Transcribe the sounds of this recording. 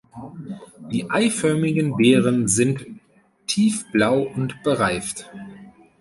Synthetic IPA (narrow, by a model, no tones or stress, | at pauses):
d̥iːʔaɪfœɐmɪɡənbeːʁənzɪntʰː | iːfb̥laʊʊntb̥əʁaɪft